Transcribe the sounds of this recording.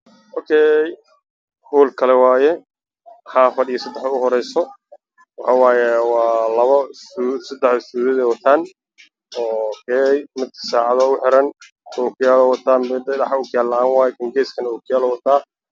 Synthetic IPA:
ʔɔkʰɛj | huːlkʰɐlɛwaːjɛ | ħɑːfɐɖɪjɔsɐd̪ɛħɐʊɦɔɾɛjsɔ | wɑħɑːwaːjɛwɑːlɐβɐusɐd̪ɛħʊst̪uːðɪðɛjwɐt̪ʰaːn | ɔːkʰɛjmɪd̪̚kʰɐ̥saːʕɑðɔʊħɪɾɐn | ɔkʰʊjaːlɔwɐt̪ʰaːmbɛd̪ɛdɐħaʊkʰʊjaːlːɐaːnwaːjɛkʰɐŋɡɛːskʰɐnɐɔkʰʊjaːlɔwɐt̪ʰaː

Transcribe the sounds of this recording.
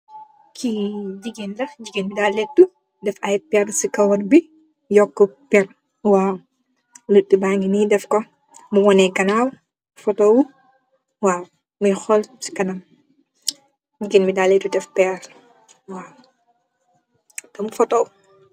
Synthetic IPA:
kʰiɟiɡendɐɟiɡenbidalɛt̚du | dɛfɐjpɛrsikɐwɐrbi | jɔkːɔpɛr | waːw | lutːibaːŋɡinidɛfkɔ | muwɔnɛkɐnaːw | fɔtɔːwu | waːw | mujxɔlsi̥kɐnɐm | ɟiɡeːnmidalɛːtːudɛfpɛr | waːw | tɛmufɔtɔw

